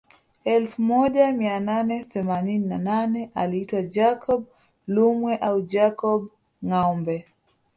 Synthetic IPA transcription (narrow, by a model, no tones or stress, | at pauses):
ɛlfumɔʄamiananɛθɛmanininananɛʔaliitwad͡ʒakʰɔɓ | lumwɛʔaud͡ʒakɔɓ | ŋaɔmbɛ